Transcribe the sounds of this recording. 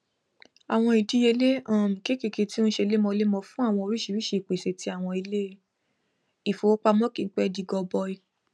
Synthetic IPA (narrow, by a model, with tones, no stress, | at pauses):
a˨w̃ɔ̃˧i˨di˦je˧˦le˦ã˦˨m̩˨ke˦ke˨˧˨ke˧tĩ˦ʃe˧le˦mɔ̃˧le˦mɔ̃˧fũ˦a˦˨w̃ɔ̃˧o˧ɾi˦ʃi˨ɾi˦ʃi˦˨i˨k͡pe˨se˨ti˧˦a˦˨w̃ɔ̃˧i˧le˦˧˦ | i˨fo˨o˦k͡pa˧mɔ̃˦ki˨˧˨k͡pɛ˦˧di˨˧ɡɔ˧bɔ˧i˧